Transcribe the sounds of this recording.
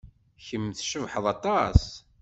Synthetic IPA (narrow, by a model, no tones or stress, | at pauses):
çəmːθʃəvħəðˤɑt̪ˤɑs